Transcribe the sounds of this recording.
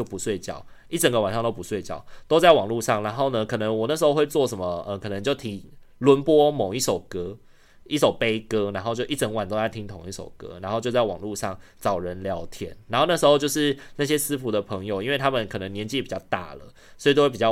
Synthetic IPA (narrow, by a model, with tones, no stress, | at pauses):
jo˥˩ʊpu˨˦swe˥˩ɪt͡ɕjɑ̰˥˩ʊ | i˥˩ʈ͡ʂə˨˩ŋɡə˦wa˨˩nʂɑ˥˧ŋt̪o˥pu˧˥swe˥˧ɪt͡ɕjɑ˥˩ʊt̪o˥ʊt͡sa˥˩ɪwɑ˨˩ŋlu˥˧ʂɑ˥˩ŋɻa˧˦nxo˥˩ʊnə˧kʰɤ˨˩nə˧˦ŋwɔ˨˩na˥˩ʂ̬ɻ̩˧˥xo˥˧xwe˥˧t͡swɔ˥˩ʂə˧˦nmə˩ə˧˨kʰɤ˨˩nə˧˦ŋt͡ɕjo˥˩ʊt̪ʰi˧˥ŋlwə˧˦˥npwɔ˥mo˨˩ŋi˥˩ʂo˨˩ʊkɤ˦˥ | i˥˩ʂo˨˩ʊpe˥ɪkɤ˥ɻa˧˥nxo˥˧t͡ɕjo˥˧ʊʔi˥˩ʈ͡ʂə˨˩ŋwa˨˩nt̪o˥ʊt͡sa˥˩ɪt̪ʰi˥ŋt̪ʰo˨˩ŋi˥˩ʂo̰˨˩ʊkɤ̰˥ɻa˨˧˥nxo˥˧ʊt͡ɕjt͡sa˥˩ɪwɑ̰˨˩ŋlu˥˧ʂɑ˥˩ŋt͡sɑ˨˩ʊɻə˧˦nljɑ˧˥ʊt̪ʰjɛ̰˨˥˦nɻa˧˥nxna˥˩ʂɻ̩˧˥xo˥˧ʊt͡ɕjo˥˧ʊʂɻ̩˥˧na˥˩ɕ̬jɛ˥sɹ̩˦˥fu˧˥d̪ə˨pʰɤ˧˥ŋjo˨ʊi˥nwe˥˩t̪ʰa˥mə˨nkʰɤ˨˩nə˧˦ŋnjɛ˧˥nt͡ɕi˥˨pi˨˩t͡ɕjɑ˥˧ʊt̪a̰˥˩lə̰˩ | swi˨t̪o˥we˥˩pi˨˩jɑ˥˩